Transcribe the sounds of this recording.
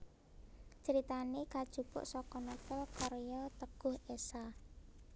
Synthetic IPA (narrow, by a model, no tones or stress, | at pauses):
t͡ʃəɾit̪anekad̥ʒ̥ṳb̥ʊ̰ʔsɔkɔnɔt̪əlkɔɾjɔt̪əɡ̥ʊhesa